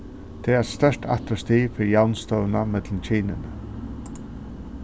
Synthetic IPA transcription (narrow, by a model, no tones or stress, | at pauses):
t̪ʰeːɛst̪œʂʈʰa̰t̪ɔst̪iːfɪɾjawnst̪ɔwnamɛt̪lmt͡ɕʰiːnɪnə